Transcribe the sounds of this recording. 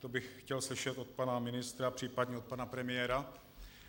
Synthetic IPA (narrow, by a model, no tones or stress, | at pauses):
t̪obɪxxcɛlslɪʃɛt̪o̞t̪̚panamɪnɪst̪ɾapr̝̥iːpadɲɛo̞t̪̚panapɾɛmɪjɛːɾa